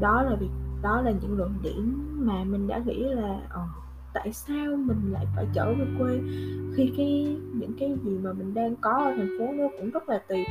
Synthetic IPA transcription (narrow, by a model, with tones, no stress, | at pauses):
ɗɔ˨˦laː˨˩vi˨˩ək̚ɗɔ˨˦laː˨˩ɲɨ̰˧˥ŋlə̰˧˨nɗḭ˧˩əmmaː˨˩mï˨˩ŋ̟ɗa̰ː˧˥ŋḭ˧˥laː˨˩ʔəː˨˩ | t̪a̰ː˧˨jsaː˧wmï˨˩ŋ̟la̰ː˧˨jfaː˧˩jt͡ɕəː˧˩və˨˩kwe˧nxi˧kaː˨˦jɲɨ̰˧˥ŋkaː˨˦jzi˨˩maː˨˩mï˨˩ŋ̟ɗaː˧ŋkɔ˨˦a˨˧˩t̪ʰa˨˩ŋ̟fo˨˦ŋo˧˦kʊ̰˧˥ŋ͡mzə˦˥t̚laː˨˩t̪i˨˩p̚